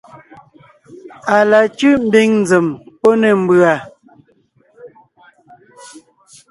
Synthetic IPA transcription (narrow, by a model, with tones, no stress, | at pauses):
a˨la˨t͡ʃʉ˦m̩˦be˦ŋn˨d͡ze˨mpo˦nɛ˨m̩˦bɰa˨